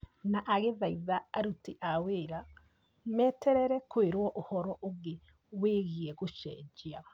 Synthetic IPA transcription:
naʔaɣeðaiðaaɾutiʔaweɾa | mɛːtʰɛɾɛɾɛkweɾwɔʔohɔɾɔʔoɣe | weːɣiɛɣuʃɛ̰d͡ʒia

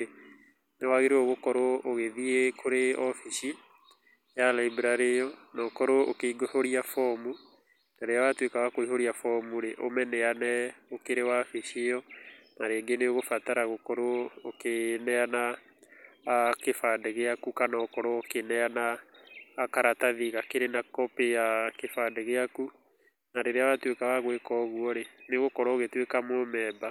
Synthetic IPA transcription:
newaɣeɾeɔɣokɔɾooɣeðiekʰoɾeɔfiʃi | jalaibɾaɾeɔnakɔɾookeiɡohoɾiafɔmu | naɾeawatwekaɣakoiɦoɾiafɔmuɾeʔomɛnɛanɛokeɾewafiʃeɔnaɾeːɡeneoɣofataɾaɣokɔɾookenɛana | kefadɛɣeakukanaokɔɾɔokenɛanaː | kaɾataðiɣakeɾenakɔpejakefadɛɣeaku | naɾeɾeawatwekawaɣwekɔɣuɔɾeneɣokɔɾɔoɣetwekamomɛːba

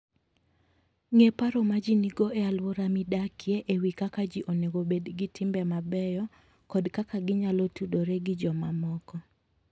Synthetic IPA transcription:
ŋepaɾɔmad͡ʒiniɡoealwoɾamidakʰjeʔewikakad͡ʒiʔoneɡobedɡɪtʰɪmbɛmabɛjɔ | kɔdkakaɡɪɲalɔtudoɾeɡɪd͡ʒɔmamɔkɔ

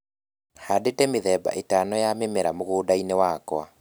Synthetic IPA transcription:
hadetɛmeðɛba̰ʔetanɔjamemɛɾamoɣoːdainewakwa

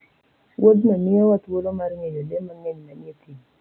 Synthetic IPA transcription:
wʔod̪mamɪowat̪wolomarŋejodemaŋeɲnaɲet̪ʰi

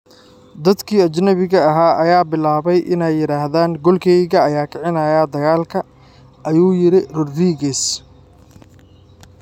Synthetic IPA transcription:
d̪ɐd̪kʰiːɐt͡ʃnɐβɪɣɐɐɦaːʔɐjaːbɪlaːβɛjʔɪ̰nɛjːɪɾaːhðaːŋɡɔlkʰɛjɣɐɐjaːkʰɐʕɪnɐːjaːd̪ɐɣaːlkʰɐ | ʔɐjuːjɪɾɪrʊrriːɣɛs

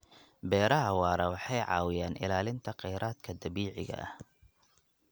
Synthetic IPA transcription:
bɛːɾɐɦɐwɑːɾɐwɑħɑjʕɑ̰ːwɪjaːnʔɪ̰laːlɪnt̪ʰɐqɛjɾaːd̪kʰɐd̪ɐβiːʕɪɣɐ̰ʔɐ̰h

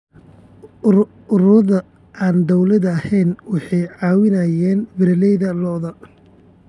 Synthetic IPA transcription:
ʊɾʊðɐ | aːnd̪ɔwlɐðɐɐhɛjnwɑħɑjʕɑːwɪnɐjɛːnbɪɾɐlɛjðɐlɔːðɐ

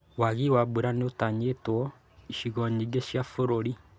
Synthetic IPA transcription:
waɣiwabuɾaneotaɲetwɔ | iʃiɣɔɲiɡeʃjafoɾoɾi

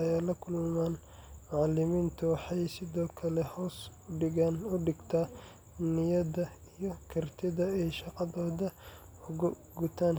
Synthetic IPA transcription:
ɐjaːlɐkʰʊlmaːn | mɑʕɑlɪmiːnt̪ʰʊwɑħɑjsɪðɔːkʰɐlɛhɔːsʊɖɪɣaːnʊɖɪɡt̪ʰaː | nɪjɐðɐijɞkʰɐrt̪ʰɪðɐɛʃɑqɑðɔːðɐ | ʊʊ | ɡʊt̪ʰaːn

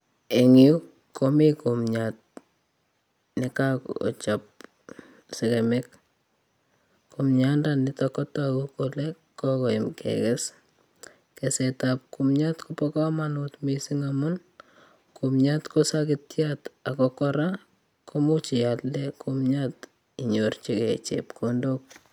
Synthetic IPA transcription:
eŋiuk | kːomikumɲat̚ | nɪkako̰t͡ʃap̚ | sɛkɛmɪk̚ | komɲandanɪtɔkːɔtakukolɛ | kːɔkɔimkʰɛ̰kɛs | kɛsɛtap̚kumɲatkupɔkɔmanutmisɪŋamʊn | kumɲatkosakɪtjatakɔkɔɾa | komut͡ʃɪjalːɛkʰumɲat | iɲort͡ʃikɛt͡ʃḛpkʰondok̚

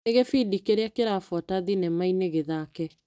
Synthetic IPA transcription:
eɣefiːdikeɾeakeɾafɔtaðinɛmaineɣeðaːkɛ

